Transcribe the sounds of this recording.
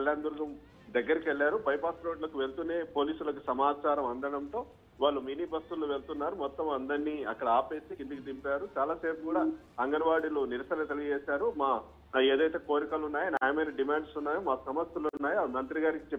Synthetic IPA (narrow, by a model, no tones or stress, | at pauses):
ɐljaːnd̪uɾɡɐm | d̪ɐɡːɐɾɐkʋeɭːaːɾubɐjpaːsɾo̞ːɖlɐkuʋe̞lt̪une̞ːpo̞ːliːsulɐkusɐmaːt͡ʃaːɾɐmɐnd̪ɐɳɐnt̪o̞ː | ʋaːɭːumiːniːbɐst̪ulːuʋe̞lt̪unːaːɾumɔt̪ːɐmɐnd̪ɐɳːnːiːɐkːɐɽɐaːpeːst̪iind̪ukut̪impaːɾut͡ʃaːlaːseːpukuːɽaː | ɐŋɡɐɾʋaːɽiluniɾɐsɐlɐt̪eliɡɐd͡ʒeːsaːɾumaː | eːd̪ɐjt̪e̞ːko̞ːɾikalunːaːjiɐnaːjɐmɐjnɐɖimaːɳɖsunːaːjoːmaːsɐmɐst̪ɐlunːaːjomɐnt̪ɾiɡaːɾikit͡ʃe